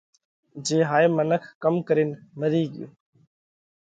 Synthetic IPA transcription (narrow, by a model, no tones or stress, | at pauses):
d͡ʒeːɦaːeːmənəkʰkəmkəɾiːnməɾiːɡɪjṵ̃ː